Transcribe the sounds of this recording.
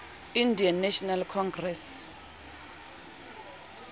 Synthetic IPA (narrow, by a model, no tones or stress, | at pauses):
indianːɛʃɔnalkʰɔŋɡrɛs